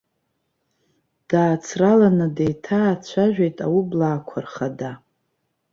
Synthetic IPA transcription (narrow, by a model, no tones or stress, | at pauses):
d̥aːt͡sʰralanɨdejtʰaːt͡ɕʷʰaʒᶣejtʼawublaːkʷʰarχada